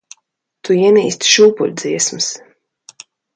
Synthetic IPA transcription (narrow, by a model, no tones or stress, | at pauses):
t̪uiɛniːst̪ʃuːpṵlʲd̪ziɛsmɨs